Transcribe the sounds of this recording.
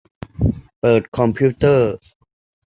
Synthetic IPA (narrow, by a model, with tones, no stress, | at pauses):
pəː˨˩t̪̚kʰɔ˧mpʰjuː˥t̪əː˥˩